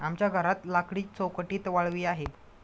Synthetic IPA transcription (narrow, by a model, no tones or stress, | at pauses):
amt͡ɕjaɡʱəɾat̪lakɽiːt͡sowkəʈiːt̪ʋaɭʋiːaɦet̪